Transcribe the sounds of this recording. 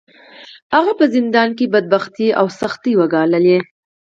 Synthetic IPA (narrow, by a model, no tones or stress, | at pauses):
haɣapəzɪnd̪ɑnkebad̪̚baxt̪iawsaxt̪iwaɡɑləle